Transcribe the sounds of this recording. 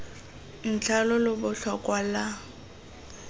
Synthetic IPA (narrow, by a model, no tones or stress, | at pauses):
n̩t͡ɬʰalɔlʊbʊɬakʼwala